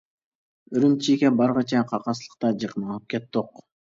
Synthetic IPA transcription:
øɾymt͡ʃʰikʲɛbɑɾʁɑt͡ʃʰɑqʰɑqɑslˠə̥q̚t̪ɑd͡ʒɑqnɑlˠɯp̚kʲet̪̚d̪oq

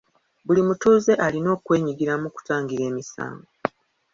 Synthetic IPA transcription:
bulimutuːze̞ʔalino̞ːkwe̞ːɲiɡiɾamuku̥taːŋɡiɾe̞ːmisa̰ːŋɡo

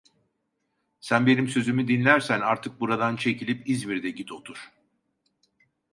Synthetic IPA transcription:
sænbe̞nimsø̞zymyd̪inlʲæɾsænaɾt̪ʰɯk̚buɾad̪ant͡ʃʰe̞cilʲipizmiɾd̪ɛɟit̪ʰo̞t̪ʰuɾ̥

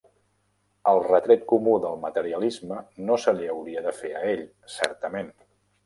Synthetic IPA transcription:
əlˠrət̪ɾɛt̪̚kumuðəlˠmət̪əɾiəlizmənosəliəwɾiəðəfeəeʎ | sɛ̰ɾt̪əmen

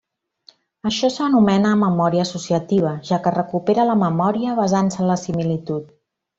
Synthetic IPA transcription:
əʃɔsənumɛnəːməmɔɾiəːsusiət̪iβ̞əʒakərəkupeɾələməmɔɾiəβ̞əzansənləsimilit̪ut̪̚

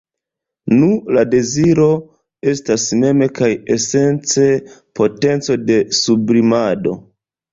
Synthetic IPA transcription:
nulade̞ziɾo̞ | e̞stasme̞me̞kaje̞se̞nt͡se̞pʰo̞te̞nt͡so̞de̞subɾimado̞̰

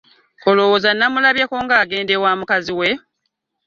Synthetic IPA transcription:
kolo̞woːzanːamulaβjakoːŋɡaːɡe̞ːndewaːmukaziwe̞

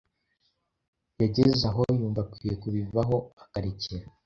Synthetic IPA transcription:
jaɟezaɦo̞juːmvakwije̞kuβivaɦo̞akaɾiciɾa

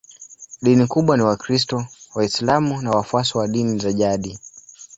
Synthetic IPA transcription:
ɗinikuɓwaniwakɾistɔwaislamunawafuasɔwaɗinizaʄaɗi

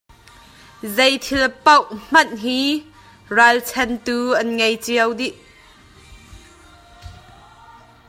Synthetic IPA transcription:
zejt̪ʰilpɐwm̥ɐnɦiː | ralt͡sʰɛnt̪uːʔɐnŋejt͡siəwdiʔ

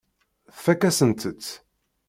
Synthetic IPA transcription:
θfækːæsənt̪ət͡sː

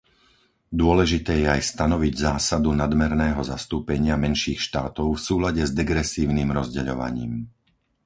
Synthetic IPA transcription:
d̪ʊɔlɛʒit̪ɛːjɛajst̪anɔʋiɟzaːsad̪unad̪mɛɾnɛːɦɔzast̪uːpɛɲɪamɛnʃiːxʃt̪aːt̪ɔʊfsuːlaɟɛzd̪ɛɡɾɛsiːʊniːmɾɔzɟɛʎɔ̰ʋa̰ɲḭːm

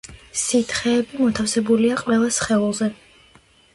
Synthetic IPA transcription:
sit̪ʰχɛːbimɔt̪ʰafsɛbuliaqʼwɛlˠasχɛulˠzɛ

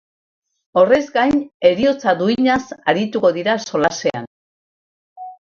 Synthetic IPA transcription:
o̞re̞zɡajne̞ɾio̞t͡saðuiɲasaɾit̪uko̞ðiɾaso̞lase̞a̰n

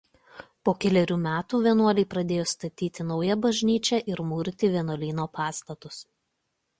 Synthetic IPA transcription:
poːkʲɛlʲɛɾʲuːmʲæːt̪uːʋʲiɛnuɔlʲɛɪpɾɐd̪ʲeːjoːst̪ɐt̪ʲiːt̪ʲɪnɒʊjɛbɐʒʲnʲiːt͡ʃʲɛʔɪɾmuːɾʲt̪ʲɪʋʲiɛnoɔːlʲiːnoːpɑːst̪ɐt̪ʊs

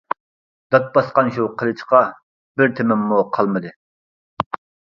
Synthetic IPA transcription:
d̪ɑt̪̚bɑsqɑnʃuqʰəlˠɨt͡ʃʰqɑ | bɪɾt̪ʰemɪmːuqʰɑlˠmɨd̪ɨ

